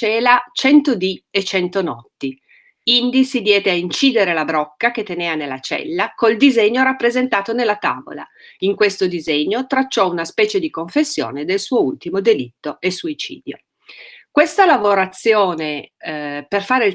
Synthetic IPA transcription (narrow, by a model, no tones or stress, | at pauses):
ɛːlat͡ʃɛnt̪od̪iet͡ʃːɛnt̪onɔt̪ːi | ind̪isid̪jɛːd̪eaint͡ʃiːd̪eɾelabɾɔkːak̟et̪ːeneːanelːat͡ʃɛ̰lːakold̪izeɲːoɾapːɾezent̪aːt̪onelːat̪aːvo̰la̰iŋkwest̪od̪izeɲːot̪ɾat͡ʃːɔunaspɛːt͡ʃed̪ikoɱfesːjo̰ːned̪elsuːoult̪imod̪elit̪ːoesuit͡ʃḭːd̪jo̰ | kwest̪alavoɾat̪sːjoːne | perfaːɾe